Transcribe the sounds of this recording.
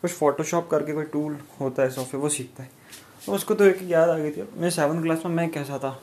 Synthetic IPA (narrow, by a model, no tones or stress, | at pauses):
kʊt͡ʃʰfɔːʈoʃɔːp̚kɐɾkekoːiʈuːlɦoːt̪aɦɛsɔːfeʋosiːk̚ʰt̪aɦɛː | t̪oʊskot̪oeːkjaːd̪aːɡɐit̪ʰimɛsɛːʋə̃nɖklaːsmẽmɛ̃kɛːs̬at̪ʰaː